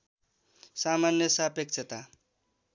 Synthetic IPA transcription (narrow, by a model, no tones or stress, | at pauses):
samanjʌsapek̚t͡sʰʌt̪a